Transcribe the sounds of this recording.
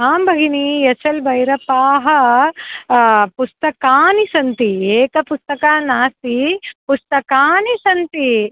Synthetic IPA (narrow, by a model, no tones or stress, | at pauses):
aːmbʱɐɡinijɐt͡ʃɐlbʱɐjɾɐpaːɦɐ̆ | pust̪ɐkaːnisɐnt̪ieːkɐpust̪ɐkaːnaːst̪ipust̪ɐkaːnisɐnt̪i